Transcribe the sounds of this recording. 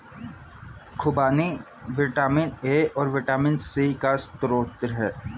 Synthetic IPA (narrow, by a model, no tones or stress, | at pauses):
kʰʊbaːni | ʋɪʈaːmɪneːɔːɾʋɪʈaːmɪnsikast̪ɾoːt̪ɾɦɛː